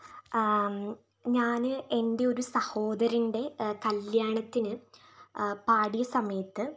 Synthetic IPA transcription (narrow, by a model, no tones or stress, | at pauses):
ɲaːnɨʔe̞nde̞o̞ɾusɐho̞ːd̪ɐɾinɖe̞kɐljaːɳɐt̪ːinɨ | paːɽijɐsɐmɐjɐt̪ːɨ